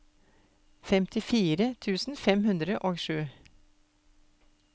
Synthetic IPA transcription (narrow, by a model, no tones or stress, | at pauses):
fɛmt̪ʰɪfiːɾət̪ʰʉːsn̩fɛmhʉnd̪ɾəʔoːɡʃʉː